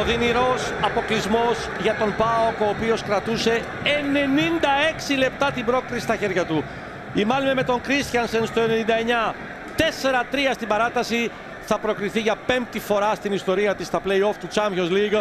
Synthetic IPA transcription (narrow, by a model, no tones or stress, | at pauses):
oðiniɾo̞sɐpo̞klizmo̞zʝɐt̪o̞mbɐo̞ko̞ːpio̞skɾɐt̪use̞ | ene̞nind̪ɐe̞ksile̞p̚t̪ɐt̪ibɾo̞kɾisist̪ɐçe̞ɾʝɐt̪u | imɐlimeme̞t̪o̞ŋkɾist̪çɐnsenst̪o̞e̞ne̞nind̪ɐeɲɐ | t̪e̞se̞ɾɐt̪ɾiɐst̪ibɐɾɐt̪ɐsi | θɐpɾo̞kɾiθiʝɐpe̞mt̪ifo̞ɾɐst̪inist̪o̞ɾiɐt̪ist̪ɐpleio̞ft̪ut͡sɐmçonzliɣo